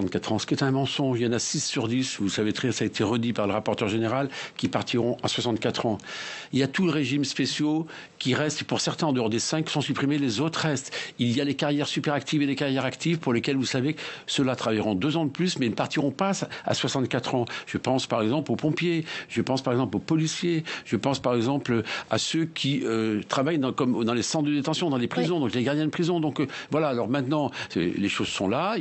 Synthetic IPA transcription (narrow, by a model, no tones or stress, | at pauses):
ɑ̃t̪̚kat̪χɑ̃sə̥kjɛt̪ɛ̃mɑ̃sɔ̃ʒijɑ̃nasisːyʁd̪isvusavet̪χɛsaːet̪ʰeʁəd̪ipaʁləʁapɔʁt̪œʁʒeneʁalkʲipaʁt̪ʰiʁɔ̃aswasɑ̃nt̪̚kat̪χɑ̃iljat̪uləʁeʒimspesjo | kʲiʁɛst̪puʁsɛʁt̪ɛ̃ɑ̃d̪əɔʁd̪esɛ̃ksɔ̃sypχimelezot̪χəʁɛst̪iljalekaʁjɛʁsypɛʁakt̪ʰivelekaʁjɛʁakt̪ʰivpuʁlekʲɛlvusavesəlat̪χavajʁɔ̃d̪øzɑ̃d̪əplysmɛinəpaʁt̪iʁɔ̃paa̰swasɑ̃nt̪̚kat̪χɑ̃ʒ̥əpɑ̃spaʁɛɡzɑ̃plopɔ̃pjeʒ̥əpɑ̃spaʁɛɡzɑ̃plopɔlisjeʒ̥əpɑ̃spaʁɛɡzɑ̃pløa̰søkʲʰiøt̪χavajd̪ɑ̃kɔmd̪ɑ̃lesɑ̃t̪d̪əd̪et̪ɑ̃sjɔ̃d̪ɑ̃lepχizɔ̃d̪ɔ̃kleɡaʁd̪jɛ̃d̪əpχizɔ̃d̪ɔ̃kvwalaːlɔʁmɛ̃t̪nɑ̃ḛleʃozsɔ̰̃la